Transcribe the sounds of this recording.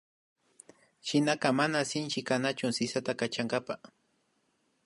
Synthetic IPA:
ʃɪnaqɑmanasɪnt͡ʃɪkanat͡ʃʊsɪsat̪akat͡ʃaŋɡapa

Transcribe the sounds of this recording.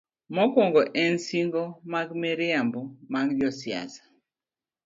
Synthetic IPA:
mɔkwɔŋɡɔʔɛnsiŋɡomaɡmɛɾɪambɔmaɡd͡ʒɔsɪa̰zḁ

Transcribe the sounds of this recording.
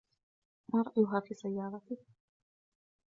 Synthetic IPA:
manɾˤɑʔjʊɦaːfiːsajːɑːɾˤɑt̪ɪ

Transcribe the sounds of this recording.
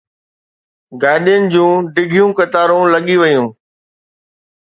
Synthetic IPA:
ɡaːɪɗijənɪ̆d͡ʑũːɖɪɡʱijũkɐt̪aːɾũlɐɠiʋɐjũː

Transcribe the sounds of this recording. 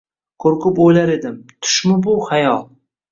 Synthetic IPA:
kʰoɾkʊpojlaɾe̞d̪ɪmt̪ʰʊ̥ʃmʊbʊχajɒlˠ

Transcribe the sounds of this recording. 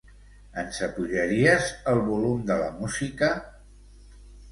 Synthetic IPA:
ənsəpuʒəɾiəzəlˠβulumd̪ələmuzikə

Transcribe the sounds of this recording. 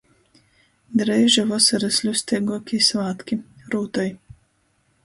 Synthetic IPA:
d̪ɾɛːʒɛvɔsɐɾɐslʲusʲt̪ɛɡɔkʲisvaːt̪kʲiɾuːt̪ɔj

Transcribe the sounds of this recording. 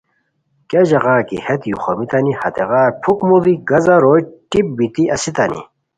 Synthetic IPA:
kɐʑɐʁaːkḭhet̪juxomit̪anihɐ̰t̪eɣaːɾpʰukmuliɡɐzɐɾojʈip̚bit̪iʔɐsit̪anḭ

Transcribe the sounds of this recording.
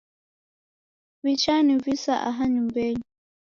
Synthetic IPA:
vit͡ʃanivisaʔa̰ɦaɲumbɛɲi

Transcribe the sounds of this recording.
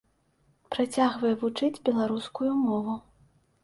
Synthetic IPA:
pɾat͡sʲaɣvɐjɛvut͡ʂɨd͡zʲbʲɛlˠaɾuskujumɔvu

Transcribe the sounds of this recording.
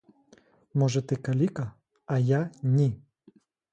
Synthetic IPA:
mɔʒɛt̪ɪkɐlʲikɐ | ɐjanʲi

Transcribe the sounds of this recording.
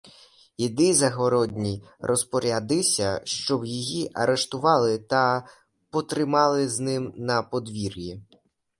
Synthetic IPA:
id̪ɪzɐɦɔɾɔdʲnʲi | rʔɔspɔɾʲad̪ɪsʲɐʃt͡ʃɔwjɔjiʔɐɾʔeʃt̪ʊʋɑlˠɪt̪ɐ | pɔt̪ɾɪmɑlˠɪznɪmnɐpɔd̪ʋʲirʲji

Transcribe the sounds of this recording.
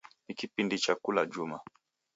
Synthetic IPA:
nikipindit͡ʃakulad͡ʒuma

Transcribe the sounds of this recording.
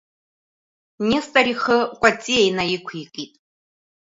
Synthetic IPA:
nistʼariχəkʷʼat͡sʼiejnajikʷʰiqʼitʼ

